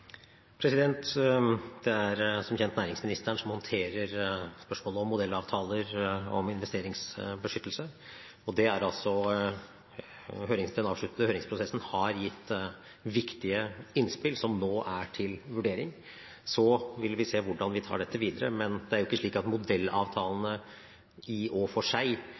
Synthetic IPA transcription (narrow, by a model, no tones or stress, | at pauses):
pʰɾɛsɪd̪ɛnt̪ | d̪̥ɛæɾsɔmçɛnt̪næːɾɪŋsmɪnɪst̪æɳʂɔmhɔnt̪ʰeːɾəɾspœʂmoːləɔmːʊd̪ɛlːɑːʋt̪ʰɑːləɾɔ̰mɪnʋɛst̪eːɾɪŋsbəʂʏt̪ːlsə | ɔd̪ɛæɾɑlsɔ | høːɾɪŋd̪ɛnɑːʋʂɭʉt̪nd̪əhøːɾɪŋspʰɾʊsɛsn̩hɑɾjɪt̪ː | ʋɪkt̪ɪəɪnspɪlsɔmnoːʔæʈʰɪlʋʉɖeːɾɪŋ | sɔʋɪlʋɪseːʋʊɖɑnʋɪt̪ʰɑ̰ːɖɛt̪ːəʋiːd̪əɾə̰mɛnd̪ɛæɾjʊɪkːəʂɭiːkɑt̪mʊd̪ɛlːɑ̰ːʋt̪ʰɑːlənə | ɪɔfɔʂæɪ